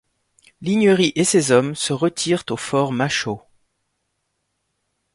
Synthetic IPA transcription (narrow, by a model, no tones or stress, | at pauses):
liɲəʁiʔesezɔmsəʁət̪ʰiʁt̪ofɔʁmaʃo